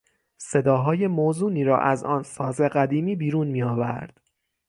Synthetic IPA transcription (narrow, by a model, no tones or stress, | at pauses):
se̞d̪ɒːɦɒːje̞moːzuːniːɾɒ̰ːʔæzɒ̰ːnsɒːze̞ɢæd̪iːmiːbiːɾuːnmiːɒːvæ̰ɾd̪̥